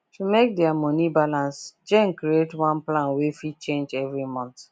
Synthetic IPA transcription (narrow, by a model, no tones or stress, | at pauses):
tumek̚dɛamɔnibalãnsd͡ʒɛ̃ŋkɾietwãnplãnwefit͡ʃẽnd͡ʒɛvɹimɔ̃nt